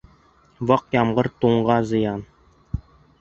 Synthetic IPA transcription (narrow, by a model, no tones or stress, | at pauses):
vɤqjɑmʁɤɾt̪uɴʁɑzɤ̆jɑn